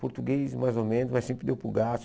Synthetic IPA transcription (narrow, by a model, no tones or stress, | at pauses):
poɾt̪uɡejsmajzomẽnʊzmasẽpɾɪd̪ewpuɡas